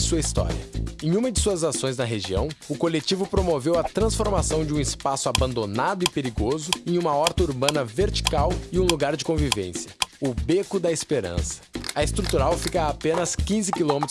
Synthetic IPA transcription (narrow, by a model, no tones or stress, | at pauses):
suɐist̪ɔ̰ɾiɐ̰ẽj̃ũmɐd͡ʒɪsuɐzasõj̃znɐɦeʒiɐ̰̃w̃ʊkolet͡ʃivʊpɾomovewɐt̪ɾɐ̃sfoɾmasɐ̃w̃d͡ʒɪũɪspasʊabɐ̃nd̪onad̪ʊɪpeɾiɡozʊẽj̃ũmɐɔɾt̪ɐuɾbɐ̃nɐveɾt͡ʃi̥kawɪũluɡaɾd͡ʒɪkõvivḛ̃sjɐʊbekʊd̪ɐespeɾɐ̰̃sɐ̥ɐest̪ɾut̪uɾawfikɐːpẽnɐskĩzɪkilõmet̪